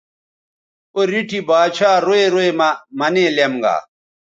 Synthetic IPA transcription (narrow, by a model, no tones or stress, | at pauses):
oɾiʈʰibaːt͡ɕʰaːɾoeɾoemɐmɐneːlemɡa̰ː